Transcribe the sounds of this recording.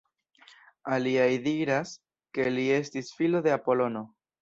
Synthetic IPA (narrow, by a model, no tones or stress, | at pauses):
aliajdiɾas | ke̞lie̞stisfilo̞de̞apo̞lo̞no̞